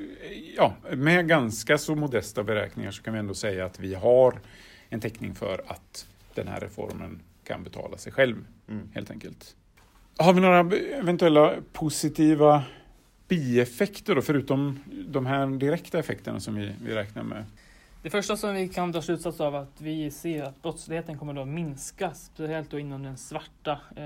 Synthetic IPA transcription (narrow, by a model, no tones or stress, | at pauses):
jɑːmɛɡanskasɔmʊd̪ɛst̪abɛɾɛ̰ːknɪ̰ŋaʂɔkʰanvɪɛnd̪oːsɛjːaːt̪vɪɦaɾ | ɛnt̪ʰɛknɪŋfœ̰ɾa̰t̪ | d̪̥ɛnhæ̰ːɾːɛ̰fɔ̰ɾmə̰n | kʰa̰nbɛt̪ʰɑ̰ːlasɛjɧɛlv | heːlt̪ɛŋkəlt̪ | haɾvɪnoːɾaɛvɛnt̪ɵɛlːapʰʊsɪt̪ʰiːva | b̥iːɛfɛkt̪əɖɔfœɾʉ̟ːt̪ɔmd̪ɔmɦæːɾɖɪɾɛkt̪aɛfɛkt̪əɳa̰sɔmvɪvɪ̰ɾɛːkna̰ɾmɛ̰ | d̪̥ɛfœʂʈasɔmvɪkʰant̪ɑːslʉ̟t̪sat̪savat̪vɪseːɾat̪̚bɾɔt̪slɪheːt̪ənkʰɔmːəɖomɪnskaspɛlt̪̚d̪ɔɪnːand̪ɛnsvaʈːa